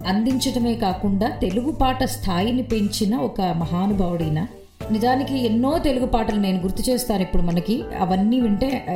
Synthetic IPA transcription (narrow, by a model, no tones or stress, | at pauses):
ɐnd̪iɲt͡ʃɐʈɐme̞ːkaːkuɳɖaːt̪e̞luɡupaːʈɐst̪ʰaːjinipe̞ɲt͡ʃinɐɔkɐmɐɦaːnubʱaːʋɐɽɐjnɐ | nizaːnikienːo̞ːt̪eluɡupaːʈɐlɐne̞ːnuɡuɾt̪ut͡ʃɛːst̪aːnipːuɽumɐnɐkiɐ̰ʋɐnːiːʋuɳʈeː